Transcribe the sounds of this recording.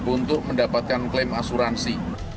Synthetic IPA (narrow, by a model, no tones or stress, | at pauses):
bunt̪ʊʔ̚məndapat̪̚kanklɪmasuɾansi